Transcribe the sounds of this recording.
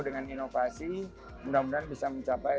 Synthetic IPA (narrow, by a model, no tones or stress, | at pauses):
dəŋaninofasi | mudamudanbisaməɲt͡ʃapa